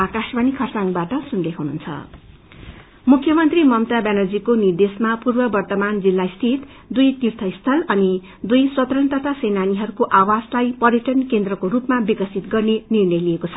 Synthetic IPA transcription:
akasmanikʰʌrsaŋɡbaʈʌsunlekʰɦunṵnt͡sʰʌ̰ | mukʰːjʌmʌnt̪rimʌmt̪abanʌd͡zikonird̪esmapurbʌbʌrt̪ʌmand͡zilːaist̪ʰit̪ | d̪ujt̪irt̪ʰʌist̪ʰʌlʌni | d̪ujswʌt̪rʌnt̪ʌt̪ʰasejnaniɦʌɾukoʔawaslajpʌrjʌʈʌnkend̪rʌkoɾupmabikʌsit̪ɡʌrnenirnʌjlijekot͡sʰʌ

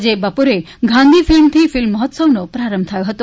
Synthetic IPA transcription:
d͡ʒebəpoɾe | ɡʱãnd̪ʱifilmt̪ʰifilmːəɦɔt̪səʋnopɾaɾəmb̚ʱt̪ʰəjoɦət̪o

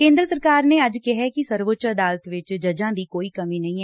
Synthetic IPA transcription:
kẽːnd̪ɾəsəɾkaːɾneəd͡ʒkɪɦɛkisəɾʋʊtt͡ʃəəd̪aːlət̪ʋɪt͡ʃd͡ʒəd͡ʒãːd̪iːkoːiːkəmiːnɐɦĩɛ

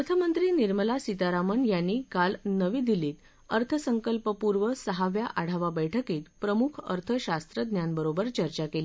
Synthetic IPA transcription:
ət̪ʰəmənt̪ɾiːniɾməlasit̪aɾamənjanːiːkalnəʋiːd̪iliːt̪ | əɾt̪ʰəsəŋkəlpəpuɾʋəsəɦaʋjaʔaɽ̤aʋabəjʈʰəkiːt̪pɾəmukʰə̰ɾt̪ʰəɕast̪ɾəd̪njanbəɾobəɾt͡ɕəɾt͡ɕakeli

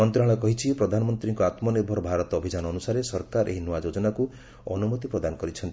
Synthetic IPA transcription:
ɔnt̪ɾaɭɔkɔɦit͡ʃʰipɾɔd̪ʱanɔmɔnt̪ɾiŋkɔat̪mɔneɾbʱɔɾbʱaɾɔt̪ɔɔbʱid͡ʒanɔːnusaɾesɔɾkaɾʔḛɦinɔad͡ʒod͡ʒɔnaku | ɔnumut̪ipɾɔd̪anɔkɔɾit͡ʃʰɔnt̪i

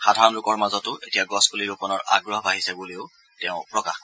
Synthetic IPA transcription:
xadʱaɹɔnlukɔɹmazɔtʊʔetijaɡɔskuliɡupɔnɔɹʔa̰ɡɹɔɦɔbaɦisɛbuleʊ | tɛʊ̃pɹɔkax

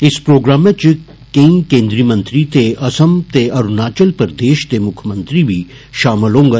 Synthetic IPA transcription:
ɪspɾoːɡɾaːmet͡ʃ | kəĩkẽːnd̪ɾiːmə̃nt̪ɾit̪eʔɐsəmt̪eɐɾunaːt͡ʃəlpəɾd̪eːʃt̪emʊkʰmə̃nt̪ɾibʱi | ʃaːmɪlɦõːŋɡa

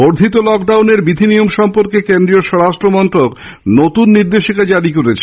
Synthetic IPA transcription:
boɾd̪ʱit̪olɔkɖawneɾbid̪ʱinijomʃɔmpoɾkekend̪ɾioʃɔɾaʃʈɾomɔnʈɾok | not̪unːiɾd̪eʃikad͡ʑaɾikoɾet͡ɕʰe̥

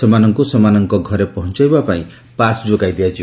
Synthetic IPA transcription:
semanɔŋkusɔmanɔŋkɔɡʱɔɾepɔɦɔnt͡ʃajbapaĩ | pasd͡ʒoɡajd̪iad͡ʒʰi

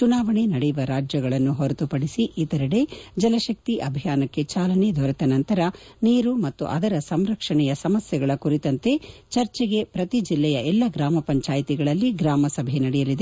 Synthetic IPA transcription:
t͡ʃunaːʋɐɳenɐɽɛjuʋɐɾaːd͡ʒjɐɡɐɭɐnːuɦoɾɐt̪upɐɽisiʔit̪ɐɾɐɽe̞d͡ʒɐlɐʃɐk̚t̪iʔɐbʱijaːnɐkːe̞t͡ʃaːlɐned̪ʱɔɾɐt̪ɐnɐnt̪ɐɾɐniːɾumɐt̪ːṵʔɐ̰d̪ɐɾɐsɐmɾɐkʂɐɳɛjɐsɐmɐsjɐɡɐɭɐkuɾit̪ɐnt̪e̞t͡ʃɐɾt͡ʃɛɡe̞pɾɐt̪id͡ʒilːɛjɐʔɛlːɐɡɾaːmɐpɐɲt͡ʃaːjit̪iɡɐɭɐlːiɡɾaːmɐsɐbʱenɐɽɛjɐlid̪e

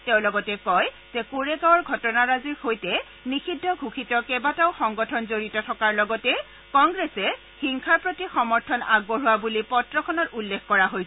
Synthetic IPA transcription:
teʊ̃lɔɡɔtɛkɔj | z̥ɛkuɹekɔɹɡʱɔtɔnaɹazihojtɛ | nixʰidʱːɔɡʱukʰitɔkɛbataʊxɔŋɡɔtʰɔnzoɹitɔtʰɔkaɹlɔɡɔtɛ | kɔŋɡɹesɛ | xiŋkʰaɹpɹotixɔmɔɹtʰɔnaɡ̚boɹuwabulipɔtɹɔkʰɔnɔtulːekkɔɹaɦojs

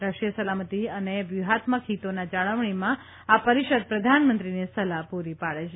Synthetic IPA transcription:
ɾəʂijəsəlamət̪iəneʋjuɦat̪məkɦit̪onad͡ʒaɭəʋɳ̃imã | apəɾiʃəd̪̚pɾəd̪ʱanmə̃nt̪ɾinesəlaɦpuɾipaɭet͡ʃʰ

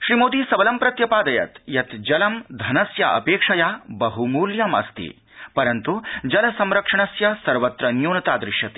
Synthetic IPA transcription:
ʃɾimoːd̪iːsɐbɐlɐmpɾɐt̪jɐpaːd̪ɐjɐ̰t̪jɐt̪d͡ʒɐlɐmd̪ʱɐnɐsjɐʔɐ̰peːkʂɐjaːbɐɦumuːljɐmɐ̰st̪ḭ | pɐɾɐnt̪ud͡ʒɐlɐsɐmɾɐkʂɐɳ̃ɐsjɐsɐɾʋɐt̪ɾɐnjoːnɐt̪aːd̪ɾɪʃjɐt̪i̥

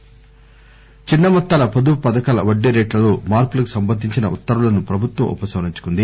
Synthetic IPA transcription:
t͡ʃinːɐmɔt̪ːaːlɐpod̪upɐd̪ɐkaːlɐʋɐɖːeɾeːʈlɐloːmaːɾpulɐku̥sɐmbɐd̪ʱːiɲt͡ʃinɐ̰ʔut̪ːɐɾulɐnupɾɐbʱut̪wɐ̰mʔṵpɐsʋɐɾiɲt͡ʃu̥kund̪i

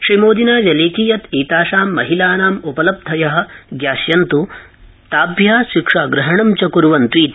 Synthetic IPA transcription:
ʃɾimoːd̪inaːʋɐleːkiːjɐt̪iːt̪aːʃaːmːɐɦilaːnaːmupɐlɐb̚d̪ʱɐjɐɦɐ̆ɡjaːsjɐnt̪u | t̪aːbʱjaːʃikʂaːɡɾɐɦɐɳɐmt͡ʃɐkuɾʋɐnt̪ʋiːt̪

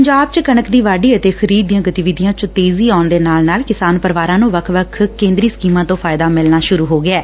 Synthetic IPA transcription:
əɲd͡ʒaːb̚t͡ʃkəɳəkd̪iːʋaːɖiːət̪eːxʰəɾiːd̪ɪjãːɡət̪iːʋɪd̪ɪjãːt͡ʃʊt̪eːziːaːʊnd̪eːnaːlnaːlkɪsaːnpəɾʋaːɾãːnũːʋəkʰʋəkʰkẽːnd̪ɾiːsə̥kiːmãːt̪õːpʰaːɪd̪aːmɪlnaːʃʊɾuːɦoːɡɪɛː

